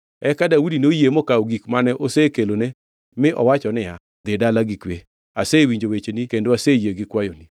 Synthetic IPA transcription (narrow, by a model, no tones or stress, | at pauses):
ɛkadawudinojemokaoɡikmanɛʔosekelone | mɪʔɔ̰wat͡ʃɔnɪa | d̪ɪdalaɡikwe | asewiɲd͡ʒowet͡ʃenikendoasejeɡɪkwajoni